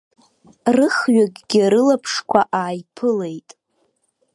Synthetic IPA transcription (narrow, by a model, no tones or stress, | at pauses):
rɨχɥaɡʲɡʲɪɾɨlapʰʂkʷʰaʔaːjpʰɨle̞jtʼ